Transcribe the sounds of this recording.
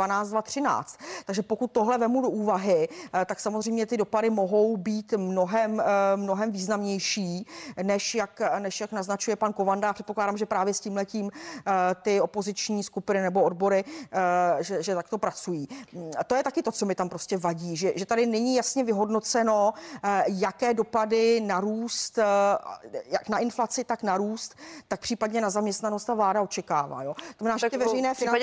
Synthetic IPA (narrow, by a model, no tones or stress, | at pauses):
anaːt͡stdvat̪r̝̥ɪna̰ːt͡st̪t̪aɡʒɛpo̞kut̪̚tːoɦlɛvɛmudo̞ʔuːvaɦɪt̪aksamozr̝ɛjmɲɛt̪ɪdopadɪmo̞ɦo̞wbiːt̪mno̞ɦɛmːno̞ɦɛmviːznamɲɛjʃiːnɛʃjaknɛʃjaknaznat͡ʃujɛpanko̞vandaaprɛt̪poklaːdaːmʒɛpɾaːvjɛsciːmlɛciːmt̪ɪo̞po̞zɪt͡ʃɲiːskupɪnɪnɛbo̞odbo̞ɾɪ | ʒɛʒɛt̪ak̚t̪o̞pɾat͡sujiːt̪ojɛt̪akɪt̪o̞t͡so̞mɪt̪ampɾo̞scɛvaɟiːʒɛʒɛt̪adɪnɛɲiːjasɲɛvɪɦo̞dno̞t͡sɛno̞ | jakɛːdo̞padɪnaɾuːst̪ | jaknaʔɪnflat͡sɪt̪aknaɾuːst̪ːak̚pr̥iːpadɲɛnazamɲɛst̪nanost̪t̪avlaːdaot͡ʃɛkaːva̰ːjo̞oozmɛnaːʒɛt̪ɪvɛɾɛjnɛːfɪ